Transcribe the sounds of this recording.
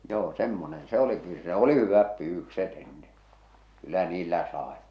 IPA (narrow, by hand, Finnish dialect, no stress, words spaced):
joː semːonen se oli kyl se oli hyʋæp pyːʋykset enːe kylːæ niːlːæ sɑˑe